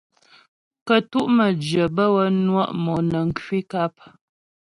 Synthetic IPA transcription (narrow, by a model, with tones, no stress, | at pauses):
kə˨tu˦ʔmə˨d͡ʒjə˨bə˦wə˦nwa˦ʔmɔ˨nə˨ŋ̩˨kwi˦ka˦p̚